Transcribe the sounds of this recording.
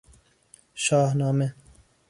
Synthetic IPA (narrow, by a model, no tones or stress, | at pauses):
ʃɑːhnɑːme